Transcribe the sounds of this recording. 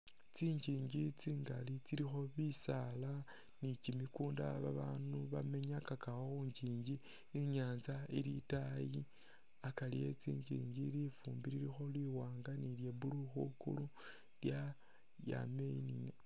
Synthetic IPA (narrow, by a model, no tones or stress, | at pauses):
t͡siːɲɟiːɲɟit͡siːŋɡalit͡siɾixo̞βisala | nicimikuːnda̰βaβaːnuβame̞ɲakakaxoxuːɲɟiːɲɟi | iɲaːnzailitaji | akalḭje̞̰t͡sḭːɲd͡ʒḭːɲɟilifuːmbiɾiɾixo̞lwiwaːŋɡanilje̞βuluxukṵlu | lja | ja̰meini